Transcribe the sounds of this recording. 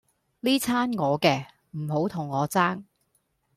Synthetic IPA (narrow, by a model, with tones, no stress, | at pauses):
liː˥t͡sʰaː˥nŋɔː˨˧kɛː˧ | m̩˨˩ho˨˥wt̪ʰʊ˨˩ŋːɔː˨˧t͡saː˥ŋ